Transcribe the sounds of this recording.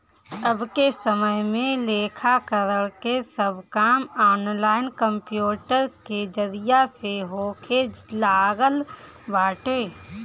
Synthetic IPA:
əbkesəməɦmẽleːkʰakəɾəɽkesəbʱkaːmɔːnlaːɪnkə̃mpjuːʈəɾked͡ʒəɾijaseɦoːkʰed͡ʒlaːɡəl | baːʈeː

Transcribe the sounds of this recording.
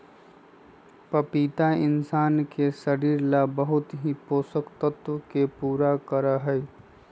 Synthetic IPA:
pəpiːt̪aɪ̰nsaːnkesəɾiːɾlabəɦʊt̪ɦipoːsəkt̪ət̪wəkepuːɾakəɾəɦəj

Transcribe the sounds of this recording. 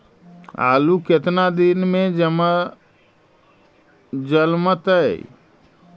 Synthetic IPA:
a̰ːluket̪nad̪inmẽm | d͡ʒəlmət̪ə

